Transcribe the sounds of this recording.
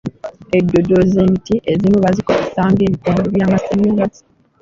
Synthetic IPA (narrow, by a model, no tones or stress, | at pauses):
edːodoze̞ːmitiʔezimuβazikoisaːŋɡe̞ːβikoːmeɾoβjaːmasemːinazi̥